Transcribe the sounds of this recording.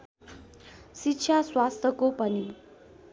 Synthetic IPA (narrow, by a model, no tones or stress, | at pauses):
sitɕʰaswast̪ʰəkopəni